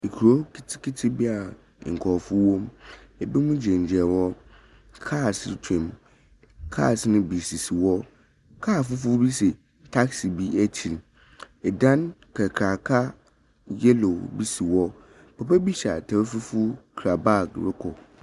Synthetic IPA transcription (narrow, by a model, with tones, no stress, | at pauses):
i˨kʰu˨ɾo˦ki˦tʰkʰi˦tʰi˦bi˦a˨ | ŋ̩˨kʰɔ˨fʊ˦wõ˦m | ɛ˨bɪ˦mʊ̃˦d͡ʑɛ̃˨ɲ˨d͡ʑɛ˨wɔ˦ | kʰa˦˨stʰɛ̃˨m | kʰa̰˦˨snʊ̃˦bi˨si˨si˨wɔ˦ | kʰaː˦˨fʊ˦fʊ˦bi˦sɛ˨ | tʰa˦ksi˨bi˦æ˦tʰi˨l | ɛ˨dã˦nkʰa˨kʰɾa˨kʰa˦ | jɛ˦lo˨bi˦si˨wɔ˦˨ | pʰɛ˨pɛ˦bi˦ɕa˨tʰa˨bfu˦fʊ˦kʰɾa˨ba˦˨kɾɪ˦kʰɔ˨